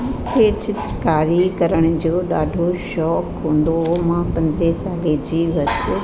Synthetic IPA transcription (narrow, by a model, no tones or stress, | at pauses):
kʰeːt͡ɕɪt̪ɾəkaːɾikɐɾəɽ̃ʊ̆d͡ʑoːɗaːɖʱoʃɔːkɦũːnd̪oɦomãpɐ̃nd̪ɾesaːled͡ʑiːʋɐɾs